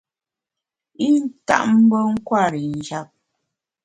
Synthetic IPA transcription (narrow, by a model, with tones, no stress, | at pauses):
i˦n̩˦ta̰˦ʔm̩˦bə˦ŋ̩˦kwa˦˨ɾi˨n̩˨d͡ʒa˨p̚